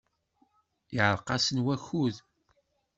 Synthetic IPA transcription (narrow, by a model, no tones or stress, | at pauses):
iʕəɾˤqɑsənwæçuð